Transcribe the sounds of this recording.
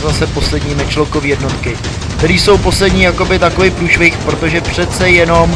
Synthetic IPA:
zasɛpo̞slɛdɲiːmɪt͡ʃlokoviːjɛdno̞t̪kɪ | kt̪ɛɾiːso̞wpo̞slɛdɲiːjako̞bɪt̪akovɪpɾuːʃvɪxpɾot̪o̞ʒɛpr̝̥ɛt̪t͡sɛjɛno̞m

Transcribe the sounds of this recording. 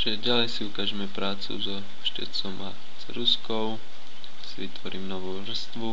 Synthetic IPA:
ʒ̥ɛɟalɛjsiukaːʒɛmɛpɾaːt͡sṵzɔ | ʃcɛ̰t͡sɔma | z̥ɾuskɔʊ | siʋit̪ʋɔɾiːmnɔʋuːʋr̩st̪ʋu

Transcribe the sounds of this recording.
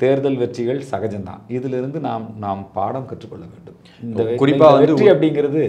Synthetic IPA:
t̪eːɾðɐlʋɛʈrɪɣɐɭsɐɣɐd͡ʒɐnd̪ã̰ːɪðɪlɪɾɯnd̪ɯnaːmnaːmpaːɽɐmkɐʈrɯkːɔɭːɐʋeːɳɖɯm | ɪnd̪ɐkʊrɪpːaːʋɐnɛd̪ɯriɐpːɐɽɪŋɡɪɾɐðɯ

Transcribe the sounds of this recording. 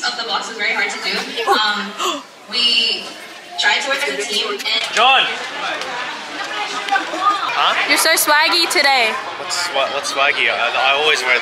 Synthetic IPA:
sʌ̃vðəbɑksɨzvɛɹihɑɹd̚tʰɨdʉʌ̃m | wi | tʰɹ̥aɪtʰɔɹɨtʰĩmɨ̥̃d͡ʒɑ̃n | hʌjə˞soʊswæɡitʰɨɾeɪ | wʌtswawʌtswæɡiaa̰ɪɔlˠwizɹɛ

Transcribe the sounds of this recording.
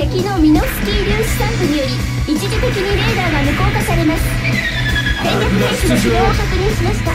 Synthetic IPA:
ekʲino̞mʲino̞sɨ̥kʲiɾʲɨːɕi̥sãnt̪oɲijoɾʲi | it͡ɕid͡ʑit̪ekʲiɲ̟iɾe̞d̪aːɡamɯ̟ko̞ːkasaɾe̞masɨ̥ | ẽŋkokɯd̪eɕioːsokɯ̟ɲĩɕimaɕi̥t̪a

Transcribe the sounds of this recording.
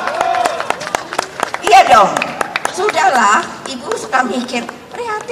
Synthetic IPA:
diadɔŋsudahlah | ibusəkamikɪr | pəɾiɦat̪ɪ

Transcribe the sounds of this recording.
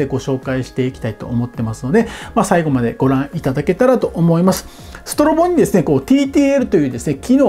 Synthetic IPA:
eɡo̞ɕo̞ːkaiɕi̥t̪e̞ikʲi̥t̪ait̪o̞̰ːmo̞t̪ːe̞masɨno̞d̪e̞masaiɡo̞mad̪e̞̰ɡ̥o̞ɾãɰ̃it̪ad̪ake̞t̪aɾat̪o̞ʔomo̞imasɨ̥ | sɨ̥t̪o̞ɾo̞bõ̞ɲ̟ːid̪e̞sɨne̞ko̞ːt̪ʲiːt̪iːeɾɯ̟t̪o̞jɯ̟ːd̪e̞sɨne̞kʲino̞ː

